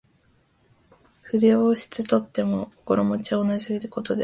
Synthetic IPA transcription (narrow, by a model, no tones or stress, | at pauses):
ɸɯ̟d̪ʲeoːɕi̥t͡sɨt̪o̞t̪ːe̞mo̞ko̥ko̞ɾo̞mo̞t͡ɕaonaʑioid̪eko̞t̪o̞d̪e